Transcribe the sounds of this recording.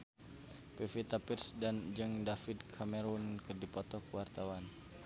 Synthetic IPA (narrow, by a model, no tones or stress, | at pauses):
pefit̪apirsdand͡ʒɨŋdafid̪kʰamɛɾunkɨrdipɔt̪ɔkwart̪awan